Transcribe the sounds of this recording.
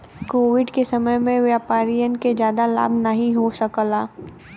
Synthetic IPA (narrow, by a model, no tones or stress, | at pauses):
koːʋɪɖkesɐməjmẽʋjaːpaːɾijənked͡ʒjaːd̪ala̰ːbʱnəɦĩɦosəkəlaː